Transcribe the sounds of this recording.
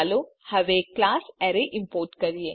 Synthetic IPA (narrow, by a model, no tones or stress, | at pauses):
lohɐʋeːkːlaːsɛɾeʔɪ̃mpoːɾʈkɐɾije